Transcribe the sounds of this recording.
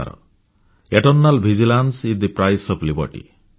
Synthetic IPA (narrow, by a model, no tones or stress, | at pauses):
a̰ɾɔ̰ | eʈɔɾnalbʱid͡ʒilansid̪ipɾajsɔblibʌɾʈḭ